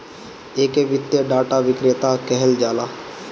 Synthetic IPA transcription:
eːkeʋɪt̪jəɖaːʈaʋɪkɾet̪akɛɦɛld͡ʒaːlaː

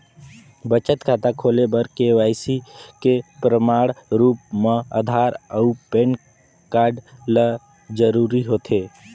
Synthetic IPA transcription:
bət͡ʃət̪kʰaːt̪akʰoːlebəɾkeʋaːɪsikepɾəmaːɽɾuːp̚mãə̰d̪ʱaːɾəupeːn | kaːɾɖlə | d͡ʒəɾuːɾiɦoːt̪ʰe

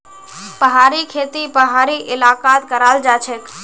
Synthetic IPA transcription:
pəɦaɾikʰet̪ipəɦaɾiʔɪlakat̪kəɾald͡ʒat͡ʃʰɛk

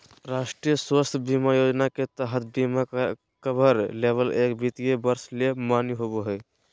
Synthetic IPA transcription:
ɾaːʃʈɾijəswəst̪ʰbimajoːd͡ʒnaket̪əɦət̪̚ʰbima | kəbʱəɾleːʋəleːkbʱit̪ijebəɾslemaːniɦoboɦɛː

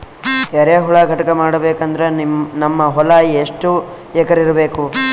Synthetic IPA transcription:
ɛɾeɦuɭɐɡʱɐʈɐkɐmaːɽɐbeːkɐnd̪ɐɾenɐmːɐɦɔlaːjieʂʈu | ɛkɐɾiɾɐbeːku

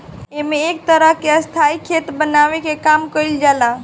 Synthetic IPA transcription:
emeːk̚t̪əɾəɦkeəst̪ʰaikʰet̪bənaʋekekamkəjld͡ʒala

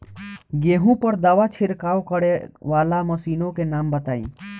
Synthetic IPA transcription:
ɡeːɦũpəɾd̪əʋat͡ʃʰɪɾkaːokəɾeʋaːlaməsiːnõkenaːmbət̪aːḭ̃ː

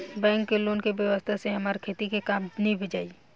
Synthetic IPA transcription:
bɛ̃ːŋkːeloːnkebjəʋəst̪ʰaseɦɐmaːɾkʰeːt̪ikekaːmnĩbʱed͡ʒaːi

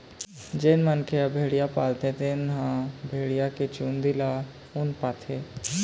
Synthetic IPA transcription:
d͡ʒeːnmənkʰeabʱeːɽijapaːlt̪et̪enɦãbʱeːɽijaket͡ʃuːnd̪ila | ʊnpaːt̪ʰe

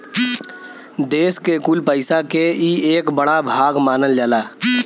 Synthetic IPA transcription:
d̪eːskekulpəɪsakeieːkbəɽabʱaːɡmaːnəld͡ʒaːlaː

